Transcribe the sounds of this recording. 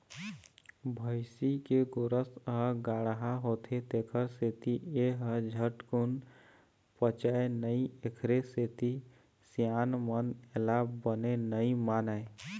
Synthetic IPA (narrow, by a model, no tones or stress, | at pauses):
bʱəɪsikeɡoɾəsɦəɡaːɽɦaɦot̪ʰet̪eːkʰəɾset̪ieɦəd͡ʒʱəʈkun | pət͡ʃaenəiekʰɾeset̪i | sijaːnmənelaːbːənenəimaːnae